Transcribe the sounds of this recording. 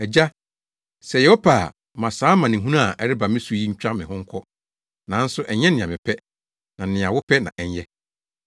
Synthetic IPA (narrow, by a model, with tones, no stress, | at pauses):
ɛ˨d͡ʑa˦ | sɛ˨jɛ˨wɔ˦pʰaː˨ | mã˨saː˨˦mã˨nɪ̃˨ɦũ˦nã˦a˨ʔɛ˨ɾɪ˦ba˨mɪ̃˦su˨˦ji˦ɲ̩˦t͡ɕᶣã˦mɪ̃˨ɦʊ̃˦ŋ̩˦kʰɔ˦ | nã˨˦n̩˦sʊ˦ʔɛ˨ɲɛ̃˦nɪ̃˨ã˨mɪ̃˨pʰɛ˦ | nã˨nɪ̃˨a˨wʊ˦pʰɛ˦nã˨ʔɛ˨ɲ˦jɛ˦